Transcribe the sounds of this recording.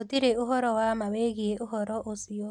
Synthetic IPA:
otiɾeoɦɔɾɔwamaweɣieʔoɦɔɾɔʔosio

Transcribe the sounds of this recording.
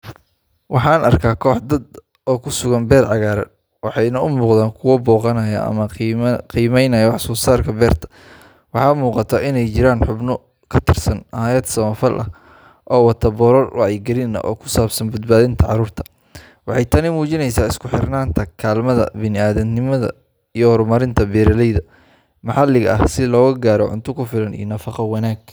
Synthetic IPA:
wʔɑħɑːnʔɐrkʰaːkʰɔːħd̪ɐd̪ | ɔːkʰʊsʊɣɐnbɛːrʕɑɣaːɾɐ̰d̪ | wɑħɑjnɐʊmuːqðaːŋkʰʊwɔbɔːqɑnɐjɐ̰ʔɐ̰mɐqiːmɛjnɐjɐwɑħsɔːsaːrkʰɐbɛːrt̪ʰɐ̥ | wɑħɑːmuːqɑt̪ʰɐːʔɪnɛjt͡ʃɪɾaːnħʊbnɔ | kʰɐt̪ʰɪrsɐnhaːjɐd̪sɐmɐfɐlʔɐ̰h | ʔɔːwɑt̪ʰɐbɔɾɔrwʔɑʕjɪɡɐlɪnɐ̰ʔɔ̰ːkʰʊ̥saːbsɐnbɐd̪baːðɪnt̪ʰɐʕɑ̰ɾuːrt̪ʰɐ̥ | wɑħɑjt̪ʰɐnimuːt͡ʃɪnɛjsaːɪskʰʊħɪrnaːnt̪ʰɐkʰaːlmɐðɐ̰bɪnɪaːðɛd̪nɪmɐðɐ̰ | ijɔhɔɾmɐɾɪnt̪ʰɐbɛːɾɐlɛjðɐ | mɐħɑlɪɣɐ̰hsɪlɔːɣɐɡaːɾɔʕʊ̰nt̪ʰʊkʰʊfɪlɐnḭjɔnɐfɑqɑwɑnaːɡ̚

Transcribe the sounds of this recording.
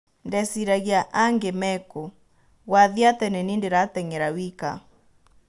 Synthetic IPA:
ndɛsiɾaɣiaʔaŋɡemɛko | waðiatɛnɛnindeɾatɛŋɛɾawika̰

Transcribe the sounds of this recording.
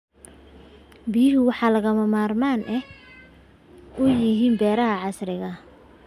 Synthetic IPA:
bijɦʊwɑħɑːlɐɣɐmɐmaːrmaːnʔɛ | ʊjɪɦiːnbɛːɾɐɦɐʕɑsrɪɣɐ

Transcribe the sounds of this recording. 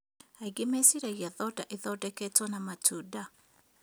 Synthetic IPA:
aiɡemesiɾeɣiaðɔdaʔeðɔdɛketwɔnamatʰuːda

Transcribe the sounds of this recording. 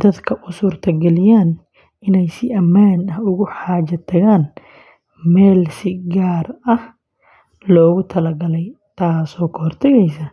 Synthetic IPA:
d̪̥ɐd̪kʰɐʔʊsuːrt̪ʰɐɡɛlɪjaːn | ɪnɛjsɪʔɐmːaːnɐhʊɣʊħaːd͡ʒɐt̪ʰɐɣaːn | mɛːlsɪɡaːrɐh | lɔːɣʊt̪ʰɐlɐɡɐlɛj | t̪ʰaːsɔːkʰɔhɔrt̪ʰɐɣɛjsɐ

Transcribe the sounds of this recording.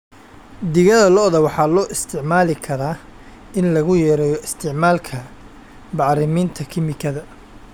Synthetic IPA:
d̪ɪɣɐðɐlɔʔðɐwɑħɑːlɔːʔɪst̪ʰɪʕmaːlɪkʰɐɾaː | ʔɪnlɐɣʊjɛːɾɛjɔʔɪst̪ʰɪʕmaːlkʰɐ | bɑʕɾɪmiːnt̪ʰɐkʰɪmɪkʰɐðɐ

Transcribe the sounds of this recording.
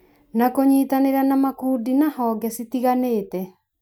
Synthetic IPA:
nakoɲiːtaneɾanamakuːdinahɔːɡɛsitiɣaneːtɛ

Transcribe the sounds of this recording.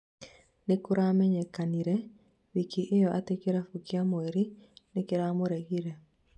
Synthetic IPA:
nekoɾamɛɲɛkaniɾɛ | βikiʔejɔʔatekeɾafukiamoeɾinekeɾamoɾɛɣiɾɛ

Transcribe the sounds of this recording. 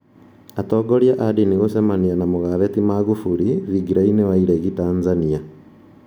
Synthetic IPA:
atɔːɡɔɾjaʔadiniɣosɛmanianamoɣaβɛtimaɣufuɾiðiɡiɾainewaiɾɛɣitaːnzania

